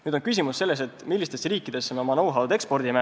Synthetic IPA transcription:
nyːd̪onkys̬ʲimusːe̞lːe̞s̬e̞t̪milːist̪e̞sriːkːˑid̪̥e̞sːemeomɑnowɦɑld̪e̞kspo̞rd̪̥ime

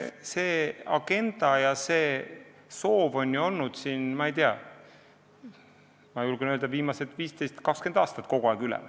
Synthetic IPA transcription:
se̞ːɑɡe̞nd̪̥ɑjɑse̞ː | so̞ːvo̞nʲjuo̞lnud̪̥siːnmɑejt̪eɑ̰ | mɑjulɡ̥enøld̪ɑviːmɑse̞t̪ːˑviːst̪e̞jst̪kɑkske̞nd̪̥ɑːst̪ɑt̪ːko̞ɡ̥ouɑˑːɡylɛ̰m

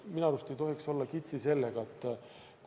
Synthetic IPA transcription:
minɑɾust̪ejt̪o̞ɦhikso̞lːɑkit̪sise̞lːeɡ̥ɑet̪ːˑ | k

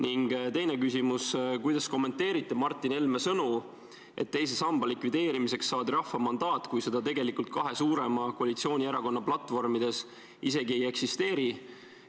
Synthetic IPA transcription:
niŋɡ̥t̪e̞jne̞kysimuskujd̪̥ɑsko̞mːe̞nt̪ːe̞ːɾit̪ːˑemɑrt̪ˑːine̞lme̞sɤnu | ʔe̞̰t̪ːe̞js̬e̞sɑmb̥ɑlikvid̪̥e̞ːɾimise̞ksːɑːd̪iɾɑhːɑmɑnd̪̥ɑːt̪ːˑkujse̞d̪̥ɑt̪e̞ɡe̞likult̪̚kɑɦe̞suːɾe̞mɑkoɑlit̪sio̞ːnʲieɾɑko̞nːɑplɑt̪ːˑvo̞rmid̪e̞s | ise̞ɡie̞je̞ksist̪e̞ːɾi

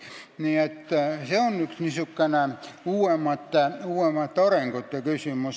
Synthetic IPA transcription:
niːet̪ːæseonyksnisykːænæuːemːɑt̪ːæuːemːˑɑt̪ːoreŋkot̪jɑkysymys

